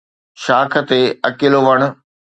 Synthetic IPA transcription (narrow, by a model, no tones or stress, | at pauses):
ʃaːkʰə̆t̪eɐkɪloʋɐɽ̃ʊ̆